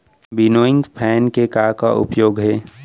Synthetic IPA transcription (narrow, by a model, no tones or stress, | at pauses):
bɪnoːɪ̃ŋɡpʰɛːnkekaka̰ʔʊ̰pjoːɡɦɛː